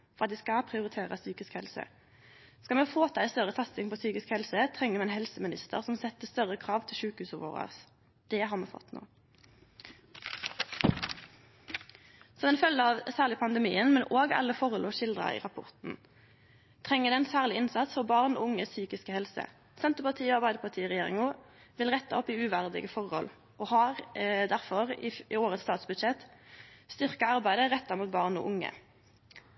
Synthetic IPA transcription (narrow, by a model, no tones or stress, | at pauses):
fɔʁɑt̪̚d̪ɛskɑpʰʁɪʊʁɪt̪ʰeːʁəsyːkɪskhɛlsə̰ | skɑlmɛːfoːt̪ʰɑːɪst̪œʁət̪ʰɑst̪ɪŋpʰoːsyːkɪskhɛlsət̪ʰʁɛŋːəmɛnhɛlsəmɪnɪ̰st̪ə̰ʁsɔmsɛt̪əst̪œʁəkʰʁɑːʋt̪ʰɪlʃʉːkhʉːsəʋo̰ːʁə̰ʁs | d̪̥ɛɦɑːʁmɛːfɔ̰t̪ːno̰ː | sɔmɛnfœlːəɑʋsæːʁlɪpʰɑnd̪əmḭːənmɛnʔoːɡɑ̰ləfɔʁəlʔuːʃɪld̪ʁɑ̰ḭːʁɑpʰʊ̰ʁt̪n̩ | t̪ʰʁɛŋːəd̪ɛɛnsæːʁlɪɪnsɑt̪sfɔʁbɑʁno̰ːʊŋəsyːkɪskəhɛlsə̰ | sɛnt̪əʁpɑʁt̪ʰiːoːɑʁbæɪd̪əpʰɑʁt̪ʰiːʁɛjeːʁɪ̰ŋʊː | ʋɪlʁɛt̪ːɑɔpiːʉʋæʁd̪ɪ̰ɡəfɔʁhɔ̰l | ʔoːhɑːʁd̪æʁfɔʁiioːʁət̪st̪ɑːt̪sbʉd̪ʃɛt̪st̪ʏʁkɑɑʁbæɪd̪əʁɛt̪ːɑmuːt̪̚bɑːʁno̰ːʔʊŋə̰